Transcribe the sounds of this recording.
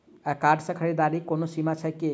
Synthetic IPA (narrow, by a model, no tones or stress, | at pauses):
akaɖsəkʰəɾed̪aɾikonosimat͡ʃʰake